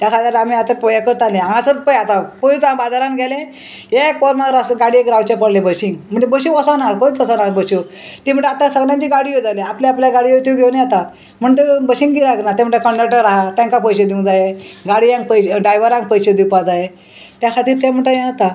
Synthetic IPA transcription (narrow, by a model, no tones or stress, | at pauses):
t̪jakʰat̪iɾam̤iat̪apəjakəɾt̪alẽãŋãt͡səɾpəjat̪apojit͡sãbad͡zaɾanɡʱɛlẽ | ekɔɾmaɾasɡaɽiekɾawt͡ɕepəɽlẽbəsiŋɡm̤əɳd͡ʑebəɕiŋəsanakoit͡s̪əsanabəɕo | t̪im̤əɳʈeat̪asəɡlãɲt͡ɕiɡaɽiod͡zaleapljaapljaɡaɽiot̪uɡʱewniat̪a | m̤əɳt̪ebəɕĩŋɡiɾaknat̪ɛm̤ɳʈekəɳɖeʈəɾːaɦat̪ãŋkapəjsed̪iũŋd͡zajeɡaɽiãŋ̚pəjɖɾajʋəɾãŋkpəjsed̪ipad͡zaje | t̪jakʰat̪iːɾt̪ɛ̃m̤əɳʈajẽat̪a